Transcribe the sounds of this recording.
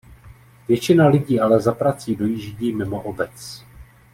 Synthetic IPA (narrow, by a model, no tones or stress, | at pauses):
vjɛt͡ʃɪnalɪɟiːʔalɛzapɾat͡siːdo̞jɪʒɪɟimɪmo̞ʔobɛt͡s